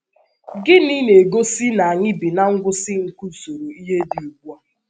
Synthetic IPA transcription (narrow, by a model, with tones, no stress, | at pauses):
ɡɪ˦ni˦ne˨ɡo˦si˦na˨a˨ɲɪ˦bi˨na˦ŋ̩˦ɡʷʊ˦sɪ˦ŋ̩˨ku˦so˨ɾo˨i˦ɦe˦di˨u˨ɡʷu˦a˦